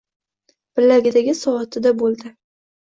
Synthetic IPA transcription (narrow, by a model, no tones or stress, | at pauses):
b̥ɪlːaɡʲɪd̪aɡʲɪsɒɒt̪ʰɪd̪abolˠd̪ɪ